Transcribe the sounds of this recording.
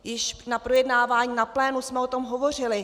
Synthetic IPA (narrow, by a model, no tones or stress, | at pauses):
jɪʃnapɾo̞jɛdnaːvaːɲiːnaplɛːnusmɛot̪omɦovo̞r̝ɪlɪ